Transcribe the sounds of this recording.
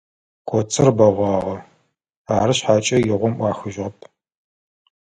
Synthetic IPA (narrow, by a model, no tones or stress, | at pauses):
kʷʰɔt͡sʼɨrbɐʁʷɑːʁɐ | aːɾɨɕħaːt͡ʃʼɐjɪʁʷɔmʔʷɑːxɨʒʁɐpʰ